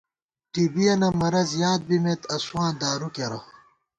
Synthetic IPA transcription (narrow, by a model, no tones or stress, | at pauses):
ʈibijɐnɐmɐɾɐzjaːd̪̚bimet̪ɐswãːnd̪aːɾukeɾɐ̰